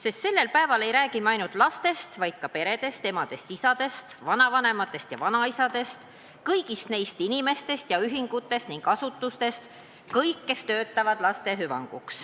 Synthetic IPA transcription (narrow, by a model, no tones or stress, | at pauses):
se̞st̪se̞lːe̞lpæe̞vɑle̞jɾæːɡimɑjnult̪ˑlɑst̪e̞st̪vɑjd̪̥̚kɑpe̞ɾe̞d̪̥e̞st̪e̞mɑd̪̥e̞st̪isɑd̪e̞st̪vɑnɑvɑne̞mɑt̪ːˑe̞st̪jɑ̰vɑnɑisɑd̪̥e̞st̪ | kɤjɡ̥ist̪ne̞jst̪inime̞st̪e̞st̪jɑyɦiŋɡ̥ut̪ːˑe̞st̪niŋɡ̥ɑsut̪ːˑust̪e̞st̪ | kɤjkːe̞st̪ø̞ːt̪ˑːɑvɑd̪̥lɑst̪e̞ɦyvɑ̰ŋɡ̥uks